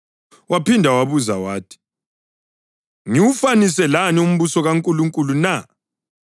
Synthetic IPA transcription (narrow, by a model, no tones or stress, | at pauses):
wapindʱawaβuzawaːtʰi̥ | ŋiwufanisɛlanium̩βusɔɣaŋkʼuluŋkʼuluna